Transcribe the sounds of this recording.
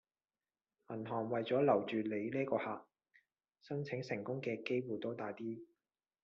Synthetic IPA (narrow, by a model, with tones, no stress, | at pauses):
mɐ˨˩nɦɔː˨˩ŋwɐ˨jt͡sɔː˨˥lɐ˨˩wt͡ʃyː˨le˨˧jlɛː˥kɔː˧haː˨k̚ | sɐ˥nt͡sʰɪ˨˥ŋsɪ˨˩ŋkʊ˥ŋkɛː˧ke˥jwuː˨jt̪o˨˥wt̪aː˨jt̪iː˥